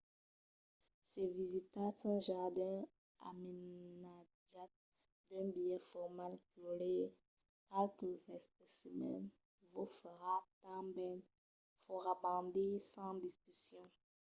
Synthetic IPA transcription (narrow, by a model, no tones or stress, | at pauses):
sɛvizit̪atɛ̃ʒaʁd̪ɛ̃ | a̰mena | ʒa | d̪ɛ̃bijɛfɔʁmalkole | talkəzɛst̪əsəmɛ̰n | vufəʁat̪ãbɛn | fɔʁabɑ̃d̪isɑ̃d̪iskysjɔ̃